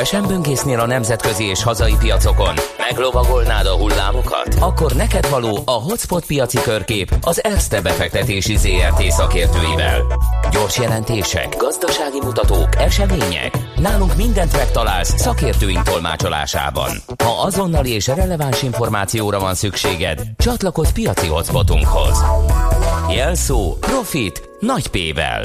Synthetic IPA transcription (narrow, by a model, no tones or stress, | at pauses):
ɛʃɛmbøŋɡeːsneːlɒnɛmzɛt̪kø̞zieːʃhɒzɒjipijɒt̪so̞ko̞nmɛɡlo̞vɒɡo̞lnaːd̪ɒɦulːa̰ːmo̞kɒ̰t̪ɒkːo̞rnɛkɛd̪vɒloːʔɒɦo̞t̪spo̞t̪̚pijɒt̪sikø̞rkeːpɒzɛrst̪ɛbɛfɛk̚t̪ɛt̪eːʃizeːɛrt̪eːsɒkeːrt̪øːjivɛ̰lɟo̞rʃjɛlɛnt̪eːʃɛ̰ɡɡɒzd̪ɒʃaːɡimut̪ɒt̪oːkɛʃɛmeːɲɛ̰knaːluŋkmind̪ɛnt̪mɛkt̪ɒlaːlssɒkeːrt̪øːint̪o̞lma̰ːt͡ʃo̞la̰ːʃa̰ːbɒ̰n | hɒɒzo̞nːɒlieːʃrɛlɛvanʃiɱfo̞rmaːt̪sijoːɾɒvɒnsykʃeːɡɛ̰d̪t͡ʃɒt̪lɒko̞spijɒt̪siɦo̞t̪spo̞t̪ṵŋkho̞̰z | jɛlsoːpro̞fit̪ | nɒcpeːvɛ̰l